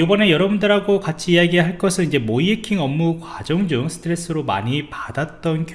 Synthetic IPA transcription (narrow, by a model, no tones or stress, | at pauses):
jobʌne̞jʌɾʌbundɯɾɦaɡokat͡ɕʰiːjaɡiɦaɭk͈ʌsʰɯnind͡ʑe̞moiekʰiŋʌmːukwad͡ʑʌŋd͡ʑuŋsʰɯ̥tʰɯɾe̞s͈ɯɾoma̰ɲipadat̚tt͈ʌnk